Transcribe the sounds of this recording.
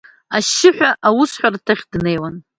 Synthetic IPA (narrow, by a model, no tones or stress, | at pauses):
aʃɪħᶣʷaʔawʊsħʷᶣartʰaχʲdne̞jwan